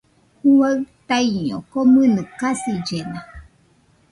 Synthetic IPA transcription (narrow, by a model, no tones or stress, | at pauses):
huaɰt̪aiɲõ̰komɨ̃nɨkasid͡ʒenã